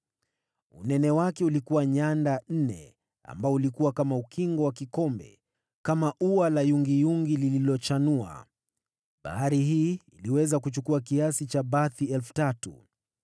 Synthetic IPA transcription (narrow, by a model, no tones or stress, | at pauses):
ṵnɛnɛwakɛulikuwaɲandan̩nɛ̰ | a̰mbaɔulikuwakamaukʰiŋɡɔwakikɔmbɛ̰ | kamaʔuwalajuŋɡijuŋɡilililɔt͡ʃanua̰ | ɓa̰haɾiɦiːiliwɛzakut͡ʃukuakiasit͡ʃaɓaθiɛlfu̥tatṵ